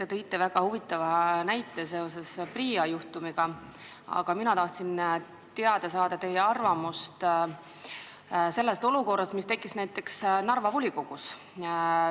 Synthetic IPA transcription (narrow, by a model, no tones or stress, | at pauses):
t̪e̞t̪ɤjt̪ːˑe̞væɡ̥ɑhuvit̪ˑːɑvɑnæjt̪ːˑese̞o̞se̞spriːɑjuht̪umiɡ̥ɑ | ɑ̰ɡ̥ɑminɑt̪ɑht̪sin | t̪eɑd̪̥ɑsɑːd̪̥ɑt̪e̞jeɑrvɑmust̪ | se̞lːest̪o̞luko̞rːɑst̪mist̪e̞kːˑisnæjt̪ˑːe̞ksnɑrvɑvulʲiko̞ɡ̥us